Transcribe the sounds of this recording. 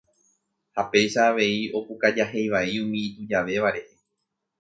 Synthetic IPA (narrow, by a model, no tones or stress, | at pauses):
hape̞jʃaːʋe̞io̞pukad͡ʒaɦe̞jʋaiũmĩːt̪ud͡ʒaʋe̞ʋaɾe̞he̞